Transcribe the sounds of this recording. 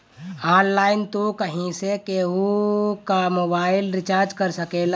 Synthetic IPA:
anlaɪnt̪okəɦĩsekeukamobaɪilɾit͡ʃaɾd͡ʒkəɾsəkel

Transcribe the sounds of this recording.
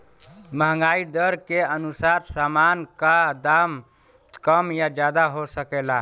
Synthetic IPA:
məɦŋɡaid̪əɾkeənusaɾsamankad̪am | kəmjad͡ʒjad̪aɦosəkɛla

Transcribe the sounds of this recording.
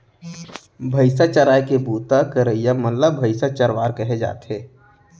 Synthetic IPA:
bʱəɪsat͡ʃəɾaːjkebuːt̪akəɾəijaməlləbʱəɪsat͡ʃəɾʋaːɾkəɦed͡ʒa̰ːt̪ɦeː

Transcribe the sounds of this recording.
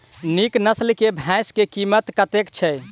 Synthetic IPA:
niknəslkebʱɛ̃skekimət̪kət̪ekt͡ʃʰɛ

